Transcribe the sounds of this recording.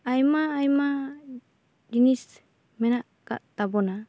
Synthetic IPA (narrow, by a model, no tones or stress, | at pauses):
ajmaːjma | d͡ʒinis | mɛnaʔka̰ʔt̪abɔna